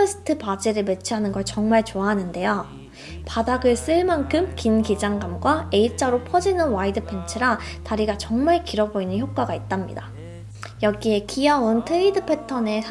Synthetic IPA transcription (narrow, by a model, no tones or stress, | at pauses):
ʌsʰɯ̥tʰɯpad͡ʑiɾɯɭme̞t͡ɕʰiɦanɯnɡʌɭt͡ɕʌŋmaɭt͡ɕoaɦanɯnde̞jo | padaɡɯɭs͈ɯɭmankʰɯmkinkid͡ʑaŋɡamɡwae̞it͡ɕ͈aɾopʰʌd͡ʑinɯnwaidɯpʰe̞nt͡ɕʰɯɾataɾiɡat͡ɕʌŋmaɭkiɾʌboinɯnçjok͈̚aɡait̚t͈amɲḭda | jʌɡie̞kiauntʰeidɯpʰe̞tʰʌne̞sʰ